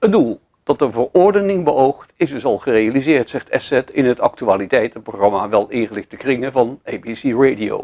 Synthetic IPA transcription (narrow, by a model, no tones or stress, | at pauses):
ədulˠ | d̥ɑtəvəɹʊɹdənɪŋbəowχtɪzdɵsɑlˠχərejalizɪːɹtsɛχtʰɛsɛtɪnɦətɑ̰k̚tyaːlitɛjtətproχrɑmaʋɛlˠɪnχəlɪχtdəkrɪŋəvɑnejbisiɹejdio̰w